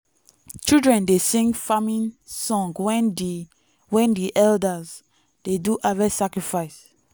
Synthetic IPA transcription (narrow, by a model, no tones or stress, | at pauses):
t͡ʃildɹɛ̃ndesĩŋɡfamĩnsɔ̃ŋɡ | wɛ̃ndiʔɛldaz | d̥eduʔavasakɹifaɪs